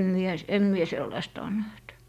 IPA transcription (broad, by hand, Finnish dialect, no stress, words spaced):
mie s em mie selːɑistɑ on næht